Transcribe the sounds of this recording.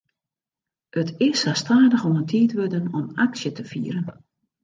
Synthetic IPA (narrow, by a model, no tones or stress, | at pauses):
ʔətɪsastaːdəxɔməntʰiːtʋødənɔmaksjətəfiːəɾən